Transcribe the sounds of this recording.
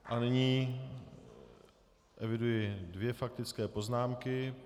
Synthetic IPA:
ʔanɪɲiː | ʔɛvɪdujɪdvjɛfak̚t̪ɪt͡skɛːpo̞znaːmkɪ

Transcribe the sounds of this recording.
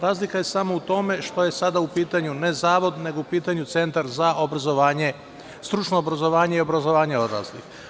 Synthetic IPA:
ɾaːzlikaje̞samo̞ut̪o̞me̞ʃt̪o̞je̞sad̪aupiːt̪aɲune̞zaːʋo̞d̪ne̞ɡoupiːt̪aɲut̪se̞nt̪aɾzaʔobɾazoʋaːɲe̞ | st̪ɾut͡ʃno̞ːbɾazo̞ʋaːɲe̞io̞bɾazo̞ʋaːɲeo̞d̪ɾa̰ːslḭx

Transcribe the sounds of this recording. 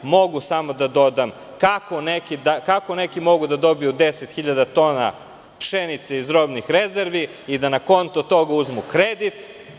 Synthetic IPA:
mo̞ɡusamod̪ad̪o̞d̪am | kakonekid̪akakonekimo̞ɡud̪ad̪o̞bijud̪eset̪xiʎad̪at̪o̞ːna̰ | pʃenit̪seizɾobnixɾezeɾʋi | id̪anako̞nt̪ot̪o̞ɡauzmukɾed̪it̪

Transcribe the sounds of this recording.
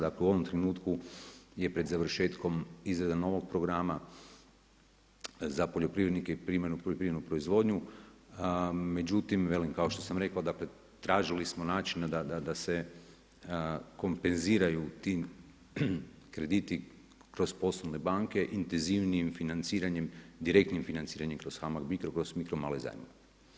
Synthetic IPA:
d̪akleuo̞ʋomt̪ɾenuːt̪kuje̞pɾe̞d̪zaʋɾ̩ʃe̞ːt̪ko̞mizɾed̪ano̞ʋo̞ɡ̚pɾo̞ɡɾama | zapoʎo̞pɾiʋɾed̪nikeipɾimanupoʎopɾiːenupɾo̞izʋo̞ːd̪ɲu | me̞d͡ʒut̪imʋe̞limkao̞ʃt̪o̞samɾe̞kaod̪akle̞ | t̪ɾaːʒilismo̞naːt͡ʃinad̪ad̪ad̪ase̞ | ko̞mpe̞nziːɾajut̪i | kɾe̞d̪it̪i | kɾo̞zpo̞slˠonebaːŋke̞ʔint̪enziʋniimfinant̪siːɾaɲe̞md̪iɾe̞k̚t̪nimfinant̪siːɾaɲemkɾo̞z̥xamaɡmikɾokɾo̞zmikɾomaleza̰j̰mo

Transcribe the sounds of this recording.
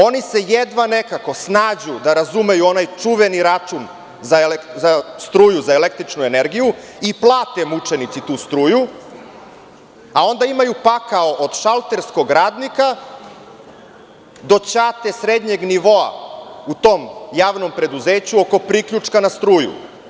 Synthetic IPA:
o̞nise̞jed̪ʋanekako̞snaːd͡ʑud̪aɾazume̞juo̞najt͡ʂuʋe̞niɾat͡ʃun | zaelzast̪ɾuːjuzaelek̚t̪ɾit͡ʂnue̞ne̞ɾɡiju | iplˠaːt̪e̞mut͡ʂe̞nit̪sit̪uːst̪ɾuːju | ao̞nd̪aimajupakaoʔod̪ʃalˠt̪e̞ɾsko̞ɡɾaːd̪nika | d̪o̞t͡ɕat̪e̞sɾed̪ɲe̞ɡniʋo̞a̰ut̪o̞ːmjaːʋno̞mpɾe̞d̪uze̞ːt͡ɕuoko̞pɾikʎut͡ʂkanast̪ɾuːjṵ

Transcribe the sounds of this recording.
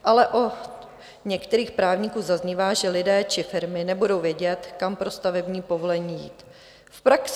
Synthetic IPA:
ʔalɛʔo | ɲɛkt̪ɛɾiːxpɾaːvɲɪkuːzazɲivaːʒɛlɪdɛːt͡ʃɪfɪɾmɪnɛbudo̞wvjɛɟɛt̪kampɾo̞st̪avɛbɲiːpo̞volɛɲiːjḭːt̪ | fpɾaks

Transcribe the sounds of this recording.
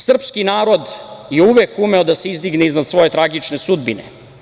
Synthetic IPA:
sr̩pskinaːɾo̞d̪jeuʋekume̞od̪ase̞izd̪iɡneiznad̪sʋo̞je̞t̪ɾaɡit͡ʂne̞sud̪binḛ

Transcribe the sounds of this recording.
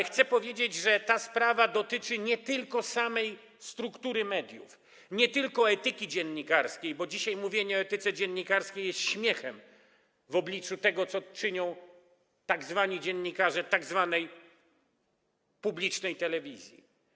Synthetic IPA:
xt̪sɛpɔvʲjed͡ʑed͡ʑʐɛt̪aspɾavad̪ɔt̪ɘt͡ʂɘɲɛt̪ɘlkɔsamɛj | st̪ɾukt̪uɾɘmɛd̪ʲjṵf | ɲɛt̪ɘlkɔɛt̪ɘkʲid͡ʑɛnːikaɾskʲejbɔd͡ʑiɕajmuvʲjeɲɛɔɛt̪ɘt̪sɛd͡ʑɛnːikaɾskʲejɛst̪ɕmʲjɛxɛm | vɔblʲit͡ʂut̪ɛɡɔt̪sɔt͡ʂɘɲɔ̃w̃ | t̪aɡzvaɲid͡ʑɛnːikaʐɛt̪aɡzvanɛj | publʲit͡ʂnɛjt̪ɛlɛvʲizʲjḭ

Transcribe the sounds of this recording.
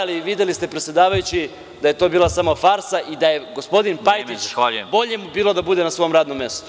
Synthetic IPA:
aliʋid̪elist̪e̞pɾet̪sʲjed̪aːʋajut͡ɕi | d̪aje̞t̪o̞ːbiːlˠasamofaɾsaʔid̪aje̞ɡospo̞d̪inpajt̪it͡ʃbo̞ʎeemubiːlˠo̞d̪abud̪enasʋo̞jomɾaːd̪nomːe̞st̪o̥

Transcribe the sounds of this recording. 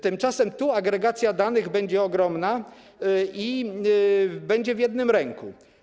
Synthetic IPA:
t̪ɘmt͡ʂasɛmt̪uaɡɾɛɡat̪sʲjad̪anɘɣbɛɲd͡ʑɛɔɡɾɔmna | i | bɛɲd͡ʑɛvjɛd̪nɘmɾɛŋkṵ

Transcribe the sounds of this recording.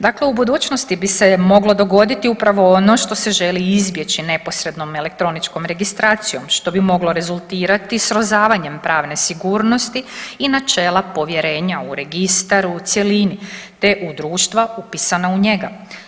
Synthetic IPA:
d̪aːkle̞ubud̪uːt͡ʃnost̪ibise̞mo̞ɡlo̞d̪o̞ɡo̞d̪it̪iupɾaʋo̞ono̞ʃt̪o̞se̞ʒe̞liizbje̞t͡ɕine̞po̞sɾe̞d̪no̞me̞le̞k̚t̪ɾo̞nit͡ʃko̞mɾe̞ɡist̪ɾaːt̪sijo̞mʃt̪o̞bimo̞ɡlo̞ɾe̞zulˠt̪iːɾat̪isɾo̞zaːʋaɲe̞mpɾaːʋne̞siɡuːɾno̞st̪iinat͡ʃe̞ːlˠapo̞ʋje̞ɾe̞ːɲauɾe̞ɡist̪aɾut̪sjelinit̪e̞ʔud̪ɾuːʃt̪ʋaupisanauɲe̞ɡa

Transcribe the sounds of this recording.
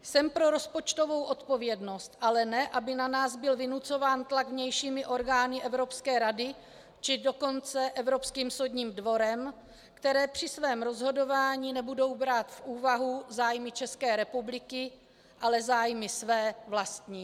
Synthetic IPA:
sɛmpɾo̞ɾo̞spo̞t͡ʃt̪o̞vo̞wʔo̞t̪po̞vjɛdno̞st̪ʔalɛnɛʔabɪnanaːzbɪlvɪnut͡so̞vaːnt̪laɡvɲɛjʃiːmɪʔo̞ɾɡaːnɪʔɛvɾo̞pskɛːɾadɪ | t͡ʃɪdo̞ko̞nt͡sɛʔɛvɾo̞pskiːmsowdɲiːmdvo̞ɾɛm | kt̪ɛɾɛːpr̝̥ɪsvɛːmɾo̞zɦo̞do̞vaːɲiːnɛbudo̞wbɾaːt̪fʔuːvaɦuzaːjmɪt͡ʃɛskɛːɾɛpublɪkɪ | ʔalɛzaːjmɪsvɛːvlast̪ɲiː

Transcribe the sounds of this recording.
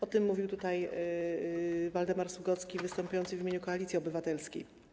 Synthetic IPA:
ɔt̪ɘmːuvʲiwt̪ut̪aj | vald̪ɛmaɾsuɡɔt̪skʲivɘst̪ɔmpujɔnt̪sɘvʲimʲeɲukɔalʲit̪sʲiɔbɘvat̪ɛlskʲḛj

